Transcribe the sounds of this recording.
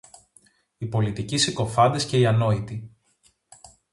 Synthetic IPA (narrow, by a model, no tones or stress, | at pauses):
ipo̞lit̪icisiko̞fɐnd̪esce̞iɐno̞it̪i